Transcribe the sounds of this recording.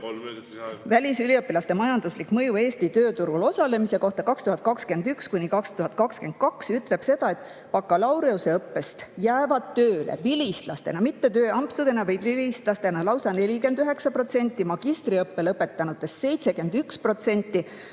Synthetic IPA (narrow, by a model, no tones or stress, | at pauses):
vælʲisyliɤpːilɑst̪emɑjɑnd̪̥uslikmɤjue̞ːst̪it̪ø̞ːt̪uɾulo̞sɑle̞mise̞ko̞ht̪ɑkɑkst̪uhɑt̪̚kɑkske̞nd̪ykskunʲikɑkst̪uɦɑt̪̚ˑkɑkske̞nd̪̥̚kɑksyt̪ːˑle̞b̥se̞d̪̥ɑe̞t̪ | pɑkːɑlɑwɾe̞use̞ɤpːe̞st̪jæːvɑd̪̥̚t̪øːlḛvilʲist̪lɑst̪e̞nɑmit̪ːe̞t̪øːɑmpsud̪̥e̞nɑvɑjd̪vilist̪lɑst̪e̞nɑlɑwsɑne̞lʲike̞nd̪yɦe̞ksɑpro̞t̪se̞nʲt̪ˑːimɑɡ̥ist̪riɤpːelɤpːˑe̞t̪ːˑɑnut̪ˑːe̞sːe̞jt̪se̞ke̞nd̪ykspro̞t̪se̞nʲt̪ːˑi